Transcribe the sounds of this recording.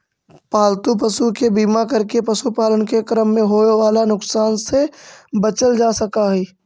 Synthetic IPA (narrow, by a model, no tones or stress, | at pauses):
paːlt̪up̬ɐsukebiːmakɐɾkepɐsupaːlənkekɾəmːẽɦoːʋaːlanʊksaːnsebɐt͡ʃəld͡ʒaːsɐkaɦɛː